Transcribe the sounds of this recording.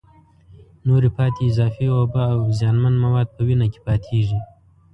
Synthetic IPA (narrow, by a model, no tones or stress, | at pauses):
noɾipɑt̪eːzɑːfiwabaːwzjɑːnmanmawɑd̪̚pəwinake̥pɑt̪ʰeʐi